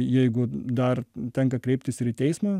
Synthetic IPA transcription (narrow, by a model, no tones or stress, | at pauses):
jɛɪɡʊd̪ɐrt̪ʲɛŋkɐkɾʲɛɪpʲt̪ʲɪsɪɾit̪ʲɛɪsmɑː